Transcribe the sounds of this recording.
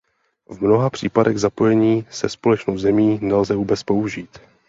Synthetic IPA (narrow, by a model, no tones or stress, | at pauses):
vmno̞ɦapr̝̥iːpadɛɣzapo̞jɛɲiːsɛspo̞lɛt͡ʃnowzɛmiːnɛlzɛvuːbɛt͡spo̞uʒiːt̪